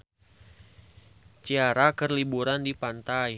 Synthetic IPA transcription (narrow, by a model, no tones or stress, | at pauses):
t͡ʃiaɾakərlibuɾandipant̪aj